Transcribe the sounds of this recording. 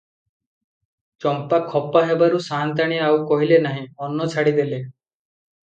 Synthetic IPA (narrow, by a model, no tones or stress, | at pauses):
t͡ʃɔmpakʰɔpaɦebaɾusant̪̬aɽ̃iawkɔɦilenaɦĩɔnːɔt͡ʃʰaɽid̪ele